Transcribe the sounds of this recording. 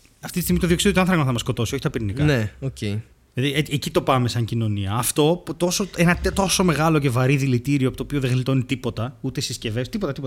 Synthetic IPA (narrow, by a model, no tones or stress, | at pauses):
ɐft̪it̪ist̪iɣmit̪ðio̞ksiðjot̪ɐnθɾɐkɐmɐθɐmɐsko̞t̪o̞sio̞çit̪ɐpiɾinikɐneocei | lɐðieecit̪o̞pɐme̞sɐɲcino̞niɐːft̪o̞put̪o̞so̞enɐt̪t̪o̞so̞me̞ɣɐlo̞ce̞vɐɾiðilit̪iɾioɐpot̪opioðeɣlit̪o̞nit̪ipot̪ɐut̪e̞sisce̞vest̪ipo̞t̪ɐt̪ipt̪ɐ